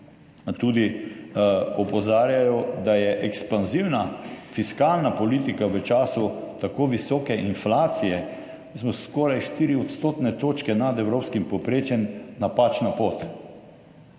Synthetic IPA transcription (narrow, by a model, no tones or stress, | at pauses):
t̪uːd̪i | ɔpɔzaːɾjajɔd̪ajɛʔɛkspanziwnafiskalnapɔliːt̪ikaʋət͡ʃaːsut̪akoːʋisɔːkɛʔinflaːt̪sijɛ | ismɔskɔːɾajʃt̪iːɾiɔt̪st̪oːt̪nɛt̪oːt͡ʃkɛnad̪ɛwɾoːpskimpɔpɾeːt͡ʃjɛnːapat͡ʃnapoːt̪